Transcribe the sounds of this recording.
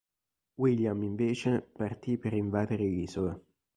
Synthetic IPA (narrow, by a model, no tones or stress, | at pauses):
wiljamiɱveːt͡ʃepart̪ipːeriɱvaːt̪eɾeliːzola